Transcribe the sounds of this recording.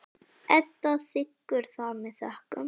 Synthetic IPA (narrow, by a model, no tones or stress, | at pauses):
ɛt̪ːaθɪkːʏɾ̥θamɪðθœhkʏ̰m